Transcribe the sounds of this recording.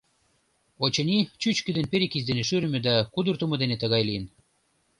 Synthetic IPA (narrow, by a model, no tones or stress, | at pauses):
ot͡ɕɤ̆nʲit͡ɕyt͡ɕkĕd̪enpeɾʲekizd̪eneʃyɾɘ̆mʲĕd̪ækud̪urt̪umŏd̪enet̪ə̆ɣɑjlijən